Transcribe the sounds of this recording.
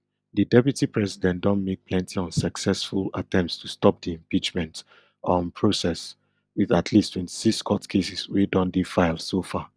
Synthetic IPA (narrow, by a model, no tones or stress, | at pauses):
didɛpjutipɹɛzidɛ̃ndɔ̃nmek̚pʰlɛ̃ntʰiɔ̃nsaksɛsfulatɛ̃mptstʰustɔp̚diɛ̃mpit͡ʃmɛ̃nt | ɔ̃npʰɹosɛs | wiðatʰlistʰwɛ̃nti̥siskʰɔtkʰesiswedɔ̃ndefaɪlˠsofa